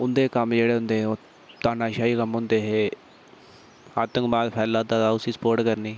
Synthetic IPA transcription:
ʊnd̪eːkəmd͡ʒeːɽeːɦʊ̃nd̪eːoː | t̪aːnaːʃaːiːkəmɦʊ̃nd̪eːɦeː | aːt̪əŋɡbaːd̪pʰɛːlːaːd̪aːd̪aːʊsiːsə̥poːɾʈkəɾniː

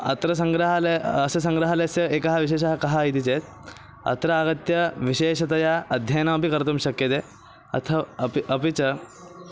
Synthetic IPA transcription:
ɐ̰t̪ɾɐs̬ɐŋɡɾɐɦalɐɐsɐsɐ̃ŋɡɾɐɦɐlesjɐeːkɐɦaʋiɕeːʃɐɦakɐɦait̪it͡ʃet̪ | ɐ̰t̪ɾɐaːɡɐt̪jɐʋiʃeːʃɐt̪ɐjaɐd̪ʱjɐjnaːpikɐɾt̪umɕɐkjɐt̪e | ɐ̰t̪ʰɐpiɐpit͡sɐ

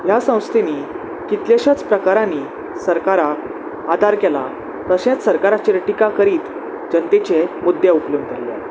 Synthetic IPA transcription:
jasə̃w̃st̪ʰini | kit̪leɕat͡spɾəkaɾãnːiː | səɾkaɾa | ad̪ʱaɾkela̰ | t̪əɕẽt͡s̪səɾkaɾat͡ɕeɾʈikakəɾiːt̪ | d͡ʑənt̪et͡ɕemud̪ːjeupljunkəɾlḛ

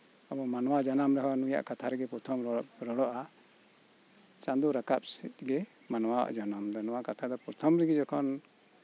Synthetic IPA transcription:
abɔmanwad͡ʒanamɾɛɦanuja̰ʔkat̪ʰaɾɛɡɛpɔɾt̪ʰɔmɾɔɽɔʔa | t͡ʃãnd̪uɾakap̚sɛ̰t̪̚ɡɛ | manwawa̰ʔd͡ʒɔnamd̪ɔnɔwakat̪ʰad̪ɔpuɾt̪ʰɔmɾɛɡɛd͡ʒɔkʰɔn

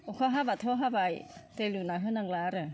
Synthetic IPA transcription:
okʰaɦabat̪ʰoɦabajt̪elunaɦɯnaŋlaɾɯ

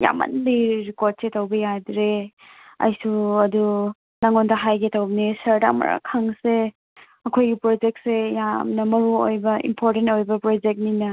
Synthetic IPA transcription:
ja̰mɐ̰nbiɾikoɾt̚setowbɐjadɾe | ɐ̰jsuɐdu | naŋontɐɦajɡetawbnisɐɾda̰mɐ̰ɾa̰kʰaŋse | ɐkʰojɡipɾɔd͡ʒek̚sejamnɐmɐɾuo̰jbɐḭmpʰoɾtentojbɐpɾɔd͡ʒek̚ninɐ

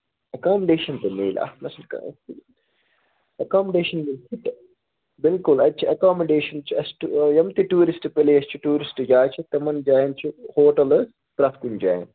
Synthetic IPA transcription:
ɐkaːmɐɖeːʃɐnt̪ɐmḭːlʔa̰nɐsɐnkɐ̰ | ɐkaːmɐɖeːʃɐnmilsiʈ | bɪlkulɐt͡ʃʰiɐkaːmɐɖeːʃɐnt͡ʃiɐsʈujɐmt̪iʈuːɾisʈɨpelejɐst͡ʃʰuʈuːɾisʈɨd͡ʒaːt͡ʃʰit̪ɐmɐnd͡ʒaːjɐnt͡ʃʰuhoːʈɐlɐ | pɾɐt̪kund͡ʒa̰ːjɐ̰n

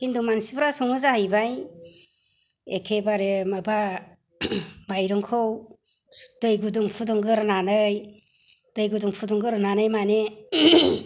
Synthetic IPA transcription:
kindumansibɾasɔmɯzahajbaj | ekʰebaɾemɯba | bajɾɯŋkʰɯw | d̥ɯjɡuduŋpʰudɯŋɡɯɾɯnanɯj | d̥ɯjɡɯduŋpʰuduŋɡɯɾɯnanɯjmane

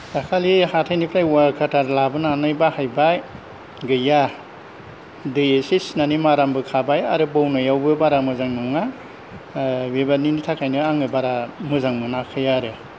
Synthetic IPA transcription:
dakʰalihatʰajnipʰɾajwakʰatʰaɾlabɯnanajbahajbaj | ɡɯja | deesisnanimaɾambɯkʰabaja̰ɾɯbawnajawbɯbaɾamɯzaŋnɔŋa | webaninitʰakʰajnɯaŋɯbaɾamɯzaŋmɯnakʰɯjaɾɯ

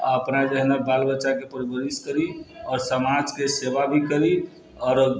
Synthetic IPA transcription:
a̰əpnad͡ʒəɦnabalbəːʃakepəɾəbəɾiskəɾiɔːɾsəmad͡ʒkesebabʱikəɾi | ɔːɾ

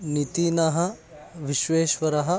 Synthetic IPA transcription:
nit̪iːnɐɦɐ | ʋiʃʋeːʃʋɐɾɐɦɐ̆

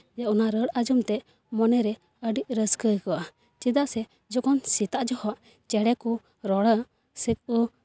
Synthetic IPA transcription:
jaʔunaɾəɽad͡ʒɔmt̪ɛʔ | mɔnɛɾɛ | əɖiʔ̚ɾəskəkɔwa | t͡ʃid̪aʔsɛ | d͡ʒɔkɔnsit̪aʔd͡ʒɔhɔʔ | t͡ʃɛɽɛku | ɾɔɽə | sək̚u

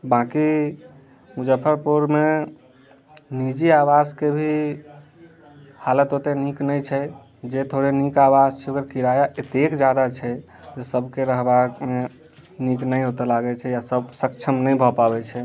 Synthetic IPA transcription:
bãki | mud͡ʒəpʰəɾpuɾme | nid͡ʒiabaskebʱi | halət̪ɦot̪eniknəjt͡ʃʰɛ | d͡ʒet̪ʰoɾenikabast͡ʃʰɛoɡəɾkʰiɾajaʔet̪ekd͡ʒjad̪at͡ʃʰɛ | d͡ʒesəbʱkeɾəɦbame | niknəjɦot̪ɔlaɡɛt͡ʃʰɛjasəbsəkt͡ʃʰəmnəjbʱɔpabɛt͡ʃʰɛ

